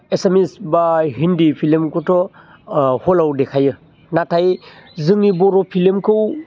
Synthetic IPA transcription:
esemisbaɦindipʰilimkɔtʰɔ | hɔlawdekʰajɯ | natʰajzɯŋibɔɾɔpʰilimkʰɯw

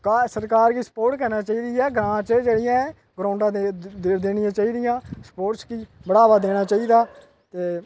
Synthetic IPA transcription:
kaːsəɾkaːɾkiːsə̥poːɾʈkəɾnãːt͡ʃaːiːd̪iːɛːɡɾãːt͡ʃed͡ʒeːɽɪjãː | ɡɾaːʊɳɖãːd̪eːɽɪjãːt͡ʃaːiːd̪ɪjãːspoːʈskiːbəɽaːʋaːd̪eːɽ̃aːt͡ʃaːiːd̪aː | t̪eː

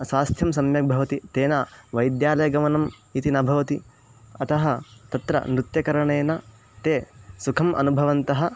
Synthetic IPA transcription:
sʋaːst̪ʰjɐmsɐmjɐk̚bʱɐʋɐt̪it̪eːnaʋɐjd̪jaːlɐjɐɡɐmɐnɐm | it̪inɐbʱɐʋɐt̪i | ɐt̪ɐɦɐ̆t̪ɐt̪ɾɐ̰mɾut̪jɐkɐɾɐɳeːnɐ | t̪eːsukʰɐmʔɐ̰nubʱɐʋɐnt̪ɐɦɐ̆

